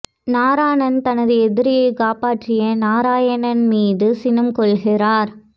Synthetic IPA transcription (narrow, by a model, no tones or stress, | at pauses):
naːɾaːɳɐnt̪ɐnɐðɯɛðɪɾɪjɐɪkaːpaːʈrɪjɐnaːɾaːjɐnɐnmiːðɯsɪnɯmkɔɭɣɪɾaːɾ